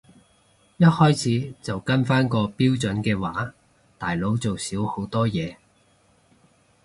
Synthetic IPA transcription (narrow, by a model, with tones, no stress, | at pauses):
jɐ˥t̚hɔː˥jt͡sʰiː˨˥t͡sɐ˨wkɐ˥nfaː˥nkɔː˧piː˥wt͡sɵ˨˥nkɛː˧waː˨˥ | t̪aː˨jlo˨˥wt͡so˨wsiː˨˥who˨˥wt̪ɔː˥jɛː˨˧